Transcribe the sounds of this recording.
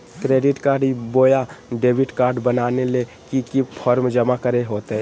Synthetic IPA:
kɾeːɖɪʈkaːɾɖboːjaɖeːbɪʈkaːɾɖbənaːnele | kikipʰɔɾmd͡ʒəmakəɾeɦoːt̪eɦɛ

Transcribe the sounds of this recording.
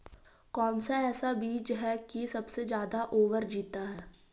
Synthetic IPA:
kɔːnsaɛːsabiːd͡ʒɦɛkisɐbsed͡ʒjaːd̪aʔoːʋəɾd͡ʒiːt̪aɦɛː

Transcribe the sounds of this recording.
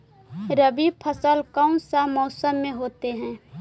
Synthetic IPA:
ɾəbipʰəsəlkaʊ̃nsamɔːsəmːẽɦoːt̪eɦɛ̃ː

